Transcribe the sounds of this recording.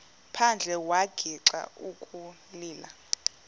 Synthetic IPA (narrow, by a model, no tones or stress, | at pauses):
pʰand͡ɮʱɛwaɡ̥ʱiǀa̰ukʼu | liːla